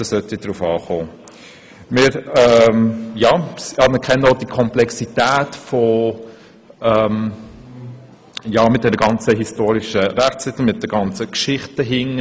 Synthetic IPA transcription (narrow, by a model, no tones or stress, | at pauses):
d̥ɑsœtid̥ɾuːfɑːχoː | mɪːɾɛmjɑːɑmɪkʰɛnəɔd̥ikʰɔmplɛksitæːtfɔ | ɛm | jɑːmɪtd̥ɛnəɡ̥ɑnt͡səɦistoːɾiʃəɾæχt͡sɪtl̩mɪt̚d̥ɛɡ̥ɑnt͡səkʃɪχtəɦɪŋ